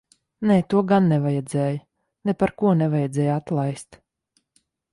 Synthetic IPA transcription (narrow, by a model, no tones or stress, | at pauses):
nɛːt̪uɔɡanːɛvajɛd̪zɛːj | nɛpaɾkuɔnɛvajɛd̪zʲɛːjat̪lˠajst̪